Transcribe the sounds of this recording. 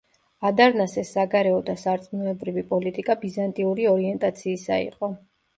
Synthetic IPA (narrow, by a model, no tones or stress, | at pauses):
ad̪aɾnasɛsːaɡaɾɛɔd̪asaɾt̪sʼmnuɛbɾivipʼɔlit̪ʼikʼabizant̪ʼiuɾiɔɾiɛnt̪ʼat̪sʰiːsa̰ḭqʼɔ